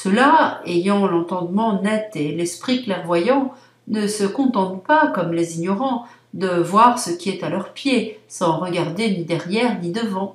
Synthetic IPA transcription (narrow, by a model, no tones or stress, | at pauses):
səlaejɑ̃lɑ̃t̪ɑ̃d̪mɑ̃nɛt̪elɛspχiklɛʁvwajɑ̃ | nəsəkɔ̃t̪ɑ̃t̪pakɔmleziɲɔʁɑ̃ | d̪əvwaʁsəkʲiɛt̪alœʁpjesɑ̃ʁəɡaʁd̪enid̪ɛʁjɛʁnid̪əvɑ̃